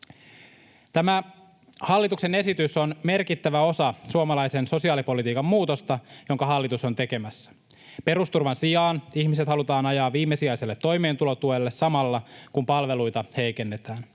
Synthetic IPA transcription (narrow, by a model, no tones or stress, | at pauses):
t̪æmæ | hɑlːit̪ukse̞ne̞sit̪yso̞nme̞rkit̪ːæʋæo̞sɑsuomɑlɑjse̞nso̞siɑːlipo̞lit̪iːkɑmːuːt̪o̞st̪ɑjo̞ŋkɑɦɑlːit̪uso̞nt̪e̞ke̞mæsːæ̥ | pe̞ɾust̪urʋɑnsijɑːniçmiset̪hɑlut̪ɑːnɑjɑːʋiːmːe̞siɑjse̞lːet̪ːo̞jme̞ːnt̪ulo̞t̪uelːe̞sːɑmɑlːɑkumpɑlʋe̞lujt̪ɑhe̞jke̞nːe̞t̪æːn